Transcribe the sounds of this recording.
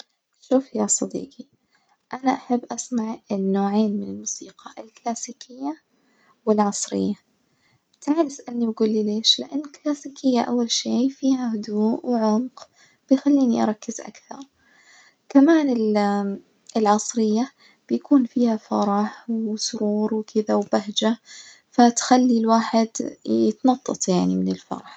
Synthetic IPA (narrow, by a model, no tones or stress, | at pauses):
ʃuːfjaːsˤɑd̪ḭːqi | ʔanaʔaħabːʔasmaʕɪnːoːʕeːnmɪnɪlmuːsiːqɑʔɪlklaːsiːkʰɪjːa | wɪlʕɑsˤɾɪ̰jːa | bt̪ʰaʕlɪsʔanːibaɡuːlːileːʃlɪʔanːɪlklaːsiːkʰɪjːaʔa̰wːalʃeːfiːhaɦʊd̪uːʔwɪʕʊmq | b̥ɪjxalːiːniʔɑ̰ɾˤɑkːɪzʔa̰kθɑɾˤ | kamaːnɪl | ɪlʕɑsˤɾɪjːa | b̥ɪjakuːnfiːhafɑɾˤɑħwsʊɾuːɾˤwkʰɪðawbaɦd͡ʒa | fat̪xalːilwaːħɪd̪jɪt̪nɑt̪ˤːɑ̰t̪ˤjaʕnimɪnɪlfɑ̰ɾˤɑħ